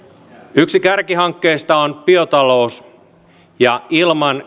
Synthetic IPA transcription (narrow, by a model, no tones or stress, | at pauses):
yksikærkiɦɑŋkːe̞ːst̪ɑonpiot̪ɑlo̞ːs | jɑilmɑn